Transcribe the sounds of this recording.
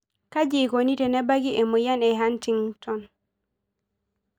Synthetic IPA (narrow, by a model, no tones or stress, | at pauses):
kad͡ʒikonitɛnɛbaɡiʔɛmɔjanɛɦantiŋtɔn